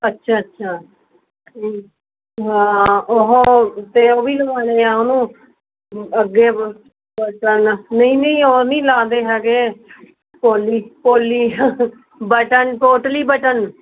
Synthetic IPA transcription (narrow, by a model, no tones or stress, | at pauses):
ətːʃʰaːətːʃʰaː | ɦãːoɦot̪eːoːbiːləʋãːneːãːʊnũː | əɡːeː | bəʈənːəĩːnəĩːoːnĩːlãːd̪eːɦɛːɡeː | poːliːpoːliː | bəʈənʈoːʈəliːbəʈən